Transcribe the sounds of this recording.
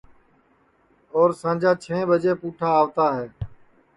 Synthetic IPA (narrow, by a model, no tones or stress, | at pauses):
ɔːɾsãːd͡ʒʱaːt͡ʃʰẽːbəd͡ʒeːpuːʈʰaːʋt̪aːɦɛː